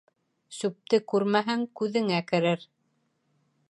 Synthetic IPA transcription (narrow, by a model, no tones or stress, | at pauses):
sʉp̚t̪ɘkʉɾmæɦæŋkʉðɘ̆ŋækɘ̆ɾɘɾ